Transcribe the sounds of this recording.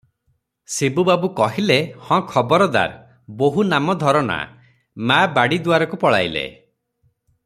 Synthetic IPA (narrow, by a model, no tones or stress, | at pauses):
sebubabukɔɦilehɔ̃kʰɔbɔɾɔd̪a̰ɾ | boɦunamɔd̪ʱɔɾɔna̰ | mabaɽid̪uaɾɔkupɔɭa̰jlḛ